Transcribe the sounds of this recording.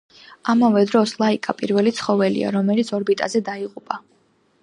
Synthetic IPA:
amavɛd̪ɾɔslˠaikʼapʼiɾvɛlit̪sʰχɔvɛlḭa̰ɾɔmɛlit̪sʰɔɾbit̪ʼazɛd̪aiqʼupʼa

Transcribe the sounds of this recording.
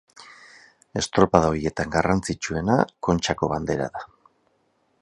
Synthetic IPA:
e̞st̪ɾo̞paðaoɾie̞t̪aŋɡarant͡sit͡ʃue̞na̰ko̞nt͡ʃako̞βand̪e̞ɾa̰ða

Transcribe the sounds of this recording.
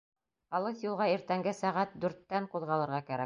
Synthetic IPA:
ɑlˠɤsjulˠʁɑiɾt̪æŋɡɘsæʁæt̪̚d̪ʉɾt̪ːæɴquðʁɑlˠɤ̆ɾʁɑkæɾæ̰k̚

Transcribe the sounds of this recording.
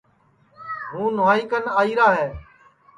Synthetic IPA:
ɦũːnʊaːɪkənaːiːɾaːɦeː

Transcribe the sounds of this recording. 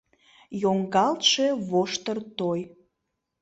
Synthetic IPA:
joŋɡɑlt̪ʃeβoʃt̪ərt̪oj

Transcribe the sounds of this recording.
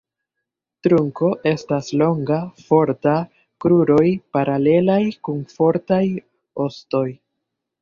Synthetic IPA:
tɾuŋko̞ʔe̞staslo̞ŋɡafo̞ɾta | kɾuɾo̞jpaɾale̞lajkunfo̞ɾtaj | o̞sto̞j

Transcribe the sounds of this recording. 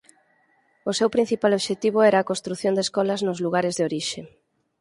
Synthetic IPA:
osewpɾin̟θipaloβʃet̪iβ̞oɛɾaːkost̪ɾuθjond̪eskɔlɐznʊzluɣ̞aɾɪzðeoɾiʃe

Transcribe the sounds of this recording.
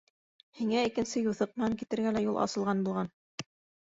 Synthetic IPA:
hiŋæikɘ̆nsɘjuθɤq̚mɘ̆næŋkit̪ɘ̆ɾɡælæjulˠʔɑ̰sɤ̆lˠʁɑnbulˠʁɑn

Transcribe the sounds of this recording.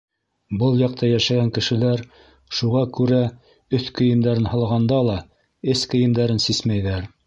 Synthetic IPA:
bɤlˠjɑq̚t̪ɑjæʃæɡæŋkɘ̆ʃɘ̆læɾ | ʃuʁɑkʉɾæ | ɵθkɘ̆jɘ̆md̪æɾɘnhɤ̆lˠʁɑnd̪ɑlˠɑ | ɘskɘ̆jɘ̆md̪æɾɘnsismæjðæɾ

